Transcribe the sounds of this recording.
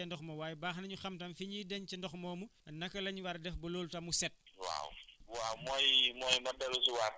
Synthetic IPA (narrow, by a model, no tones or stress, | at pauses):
ɐndɔxmɐwaːjbaːxnɐɲuxɐmtɐmfiɲidɐɲcindɔxmɔːmunɐkːɐlɐɲuwaɾdɛfbɐloːltɐmusɛt̚wa̰wwawmɔːjmɔːjmɐdɐlusuwar